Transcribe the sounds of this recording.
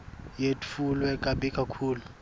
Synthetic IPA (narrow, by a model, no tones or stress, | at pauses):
jetʰulwɛkʼaɓikʼakʰuːlu